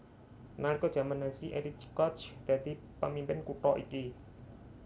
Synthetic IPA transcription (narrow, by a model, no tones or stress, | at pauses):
nalikɔd̥ʒ̥ä̤manːasiʔeɾikɔt͡ʃd̪̥a̤d̪̥i̤ | pəmimpɪnkuʈɔʔiki